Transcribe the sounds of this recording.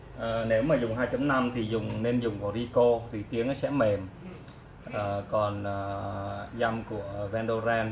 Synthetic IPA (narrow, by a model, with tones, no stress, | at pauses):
ʔəː˨˩ne˨˦wmaː˨˩zʊ˨˩ŋ͡mɦaː˧jt͡ɕɔ˨˧˦mna˧mt̪ʰi˨˩zʊ˨˩ŋ͡mne˧nzʊ˨˩ŋ͡mva˨˧˩zi˧ko˧t̪ʰi˨˩t̪i˨˦əŋʔaː˨˦sɛ̰˧˥me˨˩m | ʔəː˨˩kɔ˨˩nəː˨˩za˧mku˧˩əvɛː˧nɗo˧zɛː˧n